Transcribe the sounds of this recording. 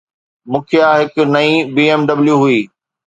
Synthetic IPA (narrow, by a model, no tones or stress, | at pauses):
mʊ̃ːkʰɪjaːɦɪknɐĩːbiːeːmɖɐbljuɦuiː